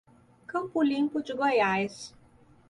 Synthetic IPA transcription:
kɐ̃mpʊlĩmpʊd͡ʒɪɡojajs

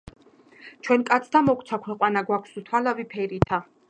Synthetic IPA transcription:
t͡ʃʰwɛnkʼat̪sʰd̪amɔkʰʼt̪sʰakʰwɛqʼwanaɡwakʰsut̪ʰwalavipʰɛɾit̪ʰa

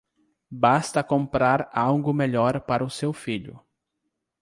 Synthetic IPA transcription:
bast̪ɐkõmpɾaɾawɡʊmeʎɔɾpaɾɐʊsewfiʎʊ̰

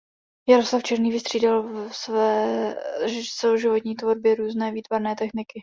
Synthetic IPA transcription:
jaɾoslaft͡ʃɛɾniːvɪst̪r̥iːdalsvɛː | t͡sɛloʒɪvo̞t̪ɲiːt̪vo̞ɾbjɛɾuːznɛːviːt̪vaɾnɛːt̪ɛxnɪkɪ

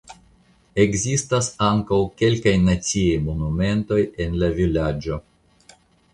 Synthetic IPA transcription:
e̞ɡzistasaŋkawke̞lkajnat͡siejmo̞nume̞nto̞je̞nlavilad͡ʒo̞

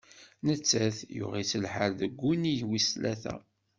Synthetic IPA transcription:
nət͡sːæθjʊ̰ʁit͡sːəlħəɾðəɡʷːunijwislæθæ̰

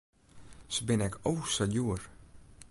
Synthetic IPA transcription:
səbɪnɛkʰowsajuər

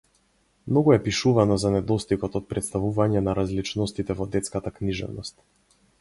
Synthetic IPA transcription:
mnɔɡuɛpiʃuvanɔzanɛd̪ɔst̪ikɔt̪ɔt̪̚pɾɛt̪st̪avuvaɲɛnaɾazlit͡ʃnɔst̪it̪ɛvɔd̪ɛt̪skat̪akniʒɛ̰vnɔst̪̚

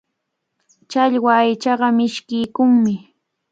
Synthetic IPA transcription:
t͡ʃaʎwaːjt͡ʃɑɢɑmɪʃkɪjkʊŋmɪ

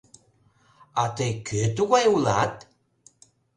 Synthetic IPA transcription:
ɑt̪əjkʰøt̪uɣɑjulɑ̰t̪

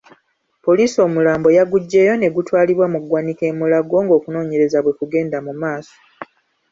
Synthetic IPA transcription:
po̞liːso̞ːmulaːmbo̞jaɡuɟːe̞jo̞ne̞ɡutwaːliβwamuɡwanike̞ːmulaɡo̞ːŋɡo̞ːkuno̞ːɲe̞ɾe̞zaβwe̞kuɡe̞ːndamumaːso̥

